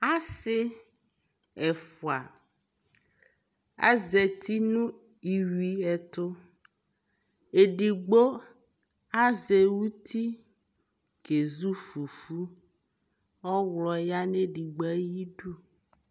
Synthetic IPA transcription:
a˦sɪ˦ | ɛ˨fo˨a̰˨ | a̰˦zɛ˨t̪ʰi˦nũ˦ | i˨wi˨ɛ˨t̪ʊ˦ | e˨ɖi˨ɡ͡bo˦ | a˦ze˨wu˦t̪ʰi˦ | ke˨zu˦fu˨fu˦ | ɔ˦wlɔ˨ja˦ne˦ɖi˨ɡ͡bɔ˦e˦ji˦ɖu˦

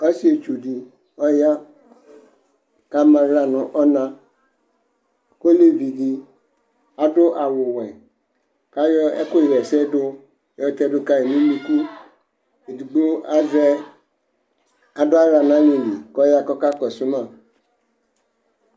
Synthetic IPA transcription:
ɔ˦si˦e˨t͡ʃu˨di˨ | ɔ˦ja˦ | ka˦mã˨ɾa˦nʊ̃˨ʔɔ˦nã˦ | ko˦le˦vi˨di˨ | a˨dʊ˦ʔa˨wʊ˨wɛ̃˨ | ka˦jɔ˦ɛ̰˦kʊ˦˨wɛ˨sɛ˦dʊ˦˨˦ | ɔ˦t̪ɛ˦dʊ˦ka˦e˨mĩ˦mĩ˦ku˦ | e˨di˨ɡ͡bo˦a˦zɛ˦ | a˨dʊ˦a˦ɾa˨nã˦li˨li˨kɔ˦ja˦kɔ˦ka˦kɔ˨sʊ˦mã˦˨

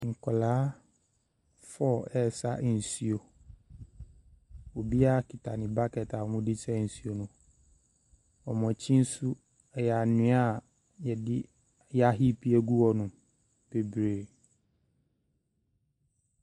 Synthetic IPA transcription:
ŋ̩˨kʰʷɔ˨laː˦ | fɔ˦˨ɛ˦˨sa˦n̩˨si˨o˨ | o˨bi˦a˦kʰɪ˨tʰa˨nɪ̃˨ba˦kʰɛ˨tʰa˨ɔ˨mʊ̃˦di˦sʰɛ˦˨n̩˨si˨o˨nʊ̃˨ | ɔ˨mɔ̃˨t͡ɕʰĩ˦n̩˦su˦ | ɛ˨ja˨nɪ̃˨˦a˦˨ | jɛ˨dɪ˦ | jɛ˦a˦ɦi˦pʰi˦æ˦ɡu˦wɔ˨nʊ̃˨ | b̥e˨bɾeː˨

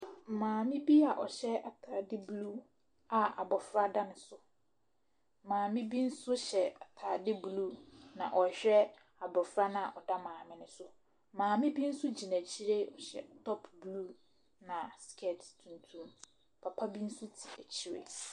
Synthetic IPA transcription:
m̩˨mãː˨mɪ̃˦bi˦a˨ʔɔ˨ɕɛ˦a˨tʰaː˨dɪ˦blu˦ | a˨a̰˨bɔ˨fɾa˦da˦nʊ̃˨sʊ˦˨ | mãː˨mɪ̃˦bi˦n̩˦sʊ˦ɕɛ˨a˨tʰa˨dɪ˦blu˦nã̰˨ʔɔ˨ɕᶣɛ˦ | a˨bɔ˨fɾa˦nʊ̃˦a˨ʔɔ˨da˦mãː˨mɪ̃˦nʊ̃˦sʊ˦˨ | mãː˨mɪ̃˦bi˦n̩˦sʊ˦d͡ʑi˨næ̃˨t͡ɕʰi˦ɾe˦ɔ˨ɕɛ̰˨tʰɔ˦pʰblu˦ | nã˨skʰɛ˨ttʰũ˨ntʰũ˦m | pʰa˨pʰa˦bi˦n̩˦su˦tʰi̥˨æ˨t͡ɕʰi˦ɾḛ˨

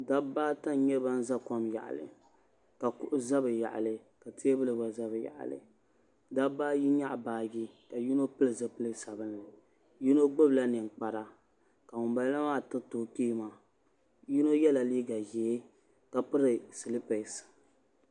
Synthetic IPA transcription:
da˦baː˦ta˦n˦ɲɛ˦ba˦n̩˦za˦kɔ˦mja̰˨ʔa̰˨lɨ̰˨ | ka˨kʊ˦ʔʊ˦za˦bɨ˨ja̰˨ʔa̰˨lɨ˨ | ka˨ti˦e˦bɨ˦lɨ˨ba˨za˦bɨ˨ja̰˨ʔa̰˨lɨ̰˨ | da˦baː˦ji˦ɲa˦ʔbaː˦ɡi˦ka˨ji˦no˦pɨ˦lɨ˨zɨ˦pɨ˦lɨ˦sa˨bɨ˦nɨ˨ | ji˦no˦ɡ͡bɨ˦bla˦nɨ˨ŋ˨k͡pa˨ɾa˨ | ka˨ŋʊ˨mba˨lla˦maː˦˨tɨ˦toː˨piː˦˨ma˨ | ji˦no˦jɛ˦la˨liː˦ɡa˨ʒɛː˨˦ | ka˨pɨ˦ɾɨ˨si˨lɨ˦pɛ˨s

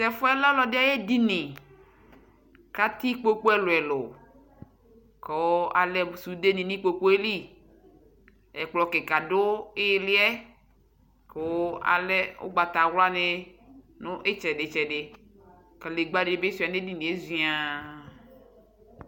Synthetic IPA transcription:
sɛ˨fo˦ɛ˦la˦lɔ˨de˦a˦je˦di˦nĩ˨ | ka˦t̪i˦k͡po˦k͡po˦ɛ˦lʊ˨ɛ˨lo˨ | ke˨˦a˨lɛ˦bu˨su˨d̪e˦nĩ˨nĩ˦k͡po˦k͡po˦e˦li˦ | ɛ˨k͡plɔ˨ke˨ka˨do˦ɪ˦lɪ˦ɛ˦ | ke˨wo˦a̰˨lɛ˦o̰˦ɡ͡ba˨t̪a˨wla˦ne˦ | nʊ̃˦ʔe˦t͡ʃɛ˨ɖe˨t͡ʃɛ˨ɖe˨ | ke˨le˨ɡ͡ba˦de˨e˨˦be˦su˨a˨ne˦di˦nĩ˨e˦zi˨˦a˨

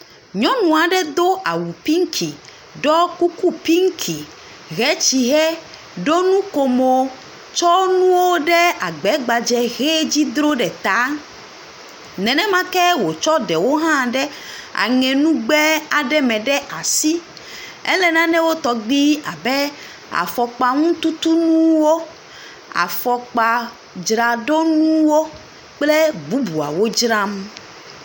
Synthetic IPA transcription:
ɲɔ̃˦nũ˨a˨ɖɛ˦d̪o˦a˨wu˨pi˦ŋ̩˦kʰi˨ | ɖɔ˦ku˦ku˦pi˦ŋ̩˦kʰi˨ | ɣɛ˦t͡ɕi˨ɦɛ˦ | ɖo˦nũ˦ko˨mo˦ | t͡ʃɔ˦nũ˦wo˦ɖɛ˦a˨ɡ͡bɛ˨˦ɡ͡ba˨d͡ʒɛ˦ɣɛ˦d͡ʑi˦d̪ɾo˦ɖɛ˨t̪a˦ | nɛ̃˨nɛ̃˦mã˦kɛ˦wo˨t͡ʃɔ˦ɖɛ˨wo˦ɦã˦ɖɛ˦ | a̰˨ŋɛ̃˨nũ˦ɡ͡bɛ˦a˨ɖɛ˦mɛ̃˨ɖɛ˦ʔa˨si˦ | ɛ˦lɛ˨nã˦nɛ̃˦wo˦t̪ɔ˨ɡ͡bi˦a̰˨bɛ˦ | a̰˨fɔ˨k͡pa˨ŋũ˦t̪u˦t̪u˦nũ˦wo˦ | a̰˨fɔ˨k͡pa˨ | d͡ʒɾa˨ɖo˦nũ˦wo˦ | k͡ple˦bu˦bu˨a̰˨wo˦d͡ʒɾa˦m

